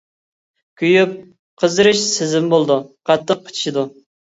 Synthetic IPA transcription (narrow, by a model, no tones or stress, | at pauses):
kʲʰyjyp̚ | qʰəzɨɾɨʃsɪzɪmbolˠd̪uqʰɑt̪ʰːɨmqʰə̥t͡ʃʰi̥ʃid̪u